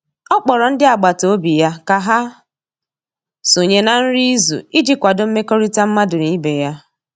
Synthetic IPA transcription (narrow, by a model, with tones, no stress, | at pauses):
ɔ˦k͡pɔ˨ɾɔ˨n̩˦dɪ˦a˨ɡ͡ba˨to˨o˦bi˨ja˦ka˨ɦa˦ | su˨ɲe˦na˨n̩˦ɾi˦i˦zṵ˨i˦d͡ʒi˦kʷa˨dʊ˨˦m̩˦me˦ko˦ɾi˦ta˦m̩˦ma˦dʊ˨ni˦be˨ja˦